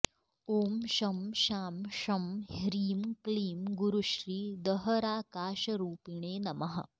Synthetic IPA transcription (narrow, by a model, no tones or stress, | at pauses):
oːmʃɐmʃaːmʃɐmhɾiːmkliːmɡuɾuʃɾiːd̪ɐɦɐɾaːkaːʃɐɾuːpiɳ̃eːnɐmɐɦɐ̰